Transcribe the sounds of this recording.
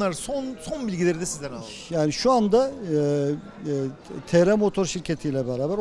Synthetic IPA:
aɾsonsonbilʲɟilʲeɾid̪ɛsizd̪ænalˠ | jaːniʃuand̪a | t̪ʰeɾɛmo̞t̪ʰo̞ɾʃiɾcʰet̪ʰijlʲɛbɛɾaːbæɾ

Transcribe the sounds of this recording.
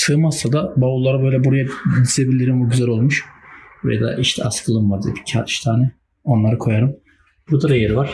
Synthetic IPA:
sɯːmast̪ad̪abaulˠaɾabø̞jlʲɛbuɾajad̪izebilʲiɾimuɟyzælʲo̞lˠmuʃvɛ̰ja̰d̪a̰ʔiʃt̪ʰɛ̰askʰɯlˠɯmvaɾd̪ibicʰa̰ʃt̪ʰaːnɛ | o̞nlˠaɾɯkʰo̞jaɾɯm | buɾd̪aɾajeɾivaɾ̥

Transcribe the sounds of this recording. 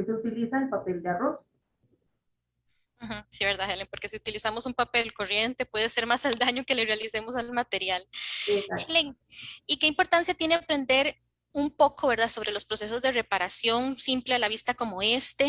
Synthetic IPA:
eseut̪ilisaelpape̞ld̪earos | xm̩̃siβe̞ɾðaxeleŋpoɾke̞siut̪ilisamosumpape̞lko̞rje̞nt̪e̞pwe̞ðese̞ɾmasald̪aɲoke̞le̞realise̞mo̞salmat̪e̞ɾjal | xeleŋ | ike̞impo̞ɾt̪ansjat̪je̞neapɾe̞nd̪e̞ɾ | umpo̞kʰo̞βe̞ɾðaso̞β̞ɾe̞lo̞spɾose̞s̬o̞zd̪e̞re̞paɾasjo̞nsimplealaβ̞ist̪ako̞mo̞e̞st̪e̞

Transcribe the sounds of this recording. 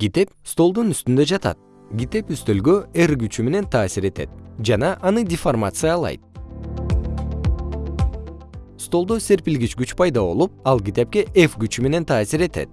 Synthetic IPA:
ɡ̥ʲit̪e̞pst̪o̞lˠd̪unyst̪ynd̪ø̞d͡ʒɑt̪ɑ̰t̪̚ | ɡʲit̪e̞pyst̪ø̞lɡøerɡyt͡ʃyme̞ne̞nt̪ʰɑːsiɾe̞t̪e̞̰t̪̚d͡ʒɑnɑʔːnɯdʲɪformat̪sɨjaːlˠɑ̰jt̪̚ | st̪o̞lˠd̪ose̞ɾpilɡit͡ʃɡyt͡ʃpʰɑjd̪ɑβo̞̰lˠup̚ɑlˠkʲit̪e̞p̚kʲe̞ʔefɡyt͡ʃyme̞ne̞nt̪ʰɑːsiɾe̞t̪ḛt̪̚

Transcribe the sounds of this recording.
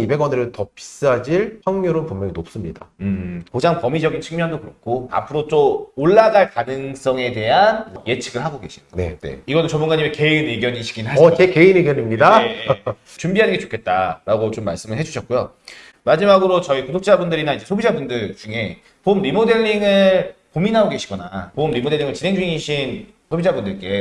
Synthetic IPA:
ibe̞ɡwʌnɯɾɯtʌpi̥s͈ɯɦad͡ʑiɭpjʌŋmjoɾonpumjʌŋinop̚s͈ɯmɲida̰ɯkod͡ʑaŋpʌmid͡ʑʌɡint͡ɕʰɯŋmjʌndokɯɾʌk͈ʰoa̰pʰɯɾot͈ooɭːaɡaɭkanɯŋs͈ʌŋe̞de̞ɦanje̞t͡ɕʰiɡɯɭhaɡoɡe̞ɕʰine̞̰ne̞̰iɡʌnot͡ɕʌmbunɡaɲimeke̞ineɡjʌɲiɕʰi̥ɡinɯɭɦaʌt͡ɕe̞ke̞ineɡjʌɲimɲidae | t͡ɕumbiɦanɯnɡe̞t͡ɕo̥kʰe̞t̚t͈aɾaɡot͡ɕomːa̰ɭs͈ɯmɯɭɦe̞d͡ʑuɕʰʌt̚k͈ujo | mad͡ʑimaɡɯɾot͡ɕʌikudok̚t͡ɕ͈abundɯɾinaind͡ʑe̞sʰobid͡ʑabundɯɭt͡ɕuŋe̞ | pombimode̞ʎːiŋɯɭpominɦaɡoɡe̞ɕʰiɡʌnapomːimode̞ɭːiŋɯɭt͡ɕine̞ŋd͡ʑuŋiɕʰin | sʰobid͡ʑabundɯɭk͈e̞

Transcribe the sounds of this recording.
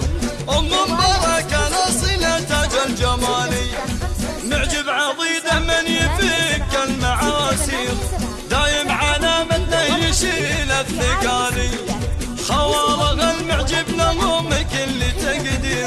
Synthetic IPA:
ʔʊmambɑɾˤɑkanasˤinat̪ad͡ʒald͡ʒamaːli | mɪʕd͡ʒɪbʕɑðˤiːd̪amɪnjɪfikːalmaʕaːsix | d̪aːjɪmʕalaːmat̪nahjɪʃiːlabnɪɡaːli | xɑwɑɾˤɑɣalmɪʕd͡ʒɪbnamʊmɪkɪlːit̪aɡd̪i

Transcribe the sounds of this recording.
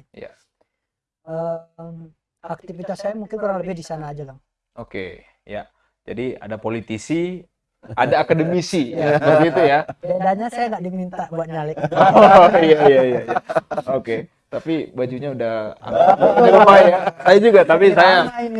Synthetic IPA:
ija̰ | əm | ak̚t̪ifit̪asajamuŋkɪnkuɾaŋləbɪhdisanaːd͡ʒalaŋ | okḛ | ja̰ | d͡ʒadia̰dapolit̪isi | ʔadaːkadəmisijasbərit̪ujadadaɲasajaŋɡaʔdimint̪abuat̪̚ɲalikoijaijaijajaoke | t̪apibad͡ʒuɲaudaha̰naabaiɾumajasajad͡ʒuɡat̪apisaja

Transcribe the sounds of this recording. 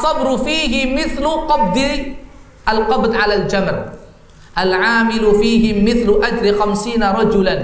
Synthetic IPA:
ʔɑsˤːɑbɾfiːɦɪmɪθlʊqɑb̚d̪ɪ | ʔalqɑbd̪ʕalald͡ʒamɾ | ʔalʕaːmɪlʊfiːɦɪːɪθlʔad͡ʒɾixamsiːnaɾˤɑd͡ʒʊlan

